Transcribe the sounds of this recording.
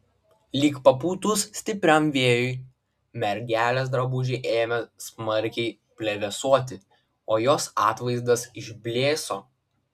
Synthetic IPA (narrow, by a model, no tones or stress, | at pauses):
lʲiːkpɐpuːt̪ʊssʲt̪ʲɪpʲɾʲɛmʋʲeːjʊɪ | mʲɛɾʲɡʲæːlʲes̬d̪ɾɐbʊʒʲɛʔeːmʲɛsmɐɾʲkʲɛɪ | pʲlʲɛʋʲɛsuɔt̪ʲɪ | oːjoːsɑːt̪ʋɐɪzd̪ɐsɪʒʲbʲlʲeːsoː